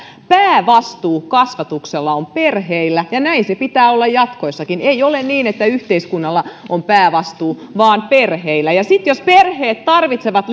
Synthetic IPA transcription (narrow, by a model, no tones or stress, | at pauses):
pæːʋɑst̪uːkɑsʋɑt̪ukselːɑomperheilːæjɑnæinsepit̪æːolːɑjɑt̪koisːɑkineiolenniːnet̪ːæyht̪eiskunːɑlːɑompæːʋɑst̪uːʋɑːnperheilːˑæjɑsit̪josperheːt̪t̪ɑrʋit̪seʋɑt̪l